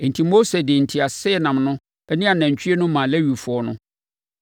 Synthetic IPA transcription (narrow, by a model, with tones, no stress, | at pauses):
n̩˨tʰi˨mo˦se˨dɪ˨n̩˨tʰi˨a˨sɪ˦˨nã˨mnʊ̃˦ | ɛ˦nĩ˦a˨næ̃˨ɲ˨t͡ɕᶣʰi˦e˦nʊ̃˦mã˨le˦ɥi˨fʊ˨ɔ˦nʊ̃˦